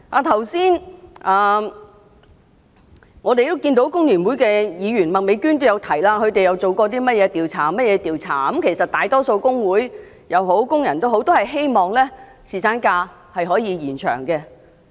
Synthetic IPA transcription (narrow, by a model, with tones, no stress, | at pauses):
aː˨˧˩t̪ʰɐ˨˩wsiː˥naː˨ | ŋɔː˨˧t̪e˨˧jt̪o˥wkiː˧nt̪o˧˥wkʊ˥ŋlyː˨˩nwuː˨˥jkɛː˧jiː˨˧ɥyː˨˩nmɐ˨t̚me˨˧jkyː˥nt̪o˥wjɐ˨˧wt̪ʰɐ˨˩jlaː˧kʰɵ˧ɥt̪e˨jɐ˨˧wt͡so˨wkɔː˧t̪̬iː˥mɐ˥t̚jɛː˨˧t̪iː˨wt͡sʰaː˨˩mɐ˥t̚jɛː˨˧t̪iː˨wt͡sʰa̰ː˨˩ɐ˨˦˥mkʰe˨˩jsɐ˨t̚t̪aː˨jt̪ɔː˥so˧wkʊ˥ŋwuː˨˥j | jɐ˨˧who˨˥wkʊ˥ŋjɐ˨˩nt̪o˥wɦo˨˥wt̪o˥whɐ˨jɦe˥jmɔː˨ŋlɛː˥ | siː˨˩saː˨˥nkaː˧ | hɐ˨jɦɔː˨˥jiː˨˧jiː˨˩nt͡ʃʰœ̰ː˨˩ŋkɛ˧